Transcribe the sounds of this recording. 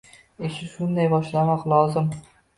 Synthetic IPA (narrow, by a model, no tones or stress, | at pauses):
eʃɪʃʊnd̪ajbɒʃlamɒqlˠɒzɪm